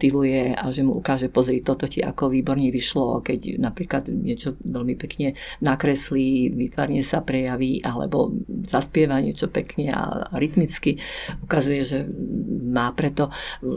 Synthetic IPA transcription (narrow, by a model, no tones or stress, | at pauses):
t̪iʋujɛaʒɛmuʔukaːʒɛpɔzɾit̪ɔt̪ɔciʔa̰kɔʋiːbɔɾɲɛʋiʃlɔ̰kɛɟnapɾiːklad̪ɲɪɛt͡ʃɔʋɛlmipɛkɲɛnakɾɛsliʋit̪ʋa̰ɾɲɛsapɾɛjaʋiʔalɛ̰bɔ̰zaspɪɛʋaɲɪɛt͡ʃɔpɛkɲɛa̰ɾit̪mit͡skiukazujɛʒɛ | maːpɾɛt̪ɔ